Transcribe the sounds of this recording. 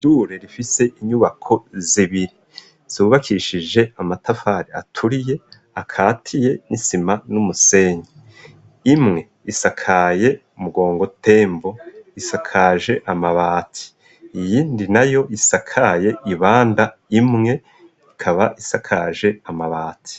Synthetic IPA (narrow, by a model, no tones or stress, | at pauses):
duːɾeɾifise̞ʔiɲuβakʰo̞ziβiɾi | z̥uːβakʰiʃid͡ʒe̞amatafaːɾia̰tʰuɾije̞ | akʰaːtʰije̞nisimanumuse̞ːɲiː | mŋe̞ | isakʰaːje̞ | umuɡo̞ːŋɡo̞tʰe̞ːmbo̞isakʰaʒe̞ʔamaβaːtʰi̥ | ijiːndinajo̞isakʰaje̞ʔiβaːndaimŋe̞ | ikʰaβaʔisakʰaʒe̞amaβaːtʰi̥